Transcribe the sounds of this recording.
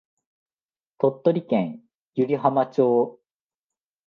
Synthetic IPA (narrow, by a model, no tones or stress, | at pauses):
t̪o̞t̪ːoɾʲikẽɰ̃ | jɯɾʲiɦamat͡ɕoː